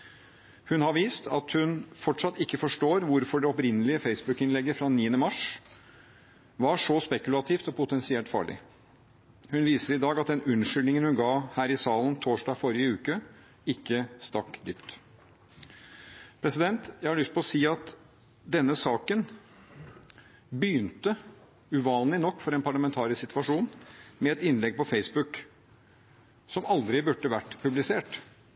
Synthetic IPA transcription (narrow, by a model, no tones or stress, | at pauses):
hʉnhɑɾʋiːst̪ʰɑ̰t̪hʉnfɔʈʂɑt̪ːɪkːəfɔʂʈoːɾʋʊɾfɔɖɛɔpɾɪnəlɪəfeɪsbʉkɪnlɛɡːəfɾɑniːənəmɑʂ | ʋɑʂɔspɛkʉlɑt̪ʰiːft̪ɔpʰʊt̪ʰɛnsɪɛlt̪fɑ̰ːɭɪ̰ | hʉnʋiːsəɾɪd̪ɑːɡɑt̪̚d̪ɛnʉnʂʏlnɪŋənhʉnɡɑːhæːɾɪsɑːlən̩t̪ʰoːʂɖɑːɡfɔɾɪəʉːkə | ɪkːəst̪ɑkd̪ʏpt̪ | pʰɾɛsɪd̪ɛnt̪jæɪhɑɭʏst̪̚pʰɔlɔsiːɑt̪ | d̪ɛnːəsɑːkən | byːnt̪ə | ʉʋɑːnlɪnɔkːfɔɾɛnpʰɑɭɑmɛnt̪ʰɑːɾɪsɪt̪ʋɑʂuːnmɛɛt̪ɪnlɛɡ̚pɔfeɪsbʉk | sɔmɑld̪ɾɪbʉʈːəʋæʈːpʰʉblɪseːʈ